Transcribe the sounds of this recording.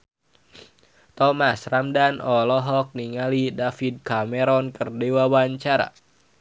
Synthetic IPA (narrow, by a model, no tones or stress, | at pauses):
t̪ɔmasramdanɔlɔɦɔk̚niŋalidafid̪̚kamɛɾɔnkɨrdewawaɲt͡ʃaɾa̰